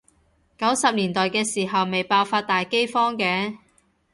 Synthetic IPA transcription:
kɐ˨˥wsɐ˨p̚liː˨˩nt̪ɔː˨jkɛː˧siː˨˩ɦɐ˨wme˨jpaː˧wfaː˧t̚t̪aː˨jke˥jfɔː˥ŋkɛː˧

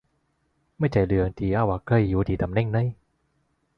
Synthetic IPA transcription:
ma˥˩jt͡ɕa˨˩jlɯ˨˧˦ə˧ŋt̪ʰiː˨˦ʔa˧˩wʔaː˨˧˩kɤ˧˩jjuː˨˦t̪ʰiː˨˦t̪a˨˦mnɛ˥˩ŋnə˧˥˨j

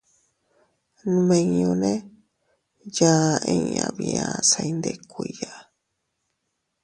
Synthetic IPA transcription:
nũ˧mẽ˧ɲõ˧nẽ˦ | ja˧ẽ˧ɲã˨˧βi˧ã˧sa˧i˧nd̪e˧˨kʷui˧ja˨

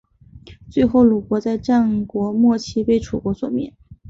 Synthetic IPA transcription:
t͡swe˥˧ɪxo˥˩ʊlu˨˩kwɔ˧˥t͡sa˥˧ɪʈ͡ʂa˥˩nkwɔ˧˥mwɔ˥˩t͡ɕʰi˥pe˥˩ɪʈ͡ʂʰu˨˩kwɔ˧˥swɔ̰˨˩mjɛ̰˥˩n

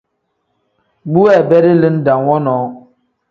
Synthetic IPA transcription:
bu˦wɛ˦˨bɛ˦ɾi˦li˦n˦da˨ŋwɔ˦nɔː˨˦

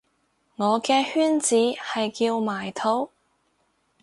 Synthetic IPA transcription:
ŋɔː˨˧kɛː˧hyː˥nt͡siː˨˥hɐ˨jkiː˧wmaː˨˩jt̪ʰo˨˥w

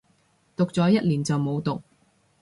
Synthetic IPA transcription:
t̪ʊ˨k̚t͡sɔː˨˥jɐ˥t̚liː˨˩nt͡sɐ˨wmo˨˧wt̪ʊ˨k̚

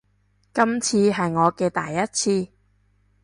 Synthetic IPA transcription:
kɐ˥mt͡sʰiː˧ɦɐ˨jŋɔː˨˧kɛː˧t̪a̰ː˨˩jːɐ˥t̚t͡sʰiː˧

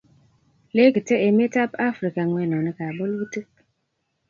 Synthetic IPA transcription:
le˦ɡi˨te˦e˨me˦ta˦pa˦fɾi˨ka˨ŋwɛ˦˨nɔ˨nɛ˦ka˨bɔ˦lu˦te˦k

